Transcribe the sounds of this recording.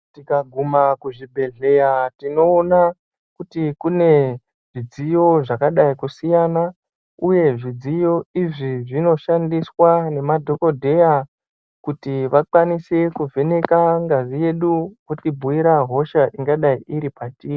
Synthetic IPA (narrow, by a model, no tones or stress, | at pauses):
tikaɡʱumakuʐibʱe̞ɮe̞jatino̞ːna | kutikune̞ | ʐid͡zijo̞ʐakaɗaikusijana | uje̞ʐid͡zijo̞iʐiʐino̞ʃandiswane̞madʱo̞ko̞dʱe̞ja | kutiʋakwanisekuvʱe̞ne̞kaŋɡazije̞ɗukutibʱuiɾaɦo̞ʃaʔiŋɡaɗaiʔiɾipatii